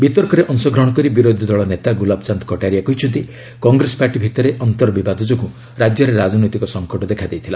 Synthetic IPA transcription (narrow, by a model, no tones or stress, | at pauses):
bit̪ɔɾkɔɾeʔɔnsɔɡʱɾɔɽ̃ɔkɔɾibiɾod̪ʱid̪ɔɭɔnet̪aɡulabt͡ʃant̪ɔ̥kɔʈaɾiakɔit͡ʃʰud̪i | kɔŋɡɾesɔ̥paɾʈibʱit̪ɔɾeʔɔnt̪ɔɾɔbibad̪ʱɔd͡ʒɔku | ɾad͡ʒjɔɾeɾad͡ʒɔnɔjt̪ikɔsɔŋkɔʈɔd̪ekʰad̪ejt̪ʰila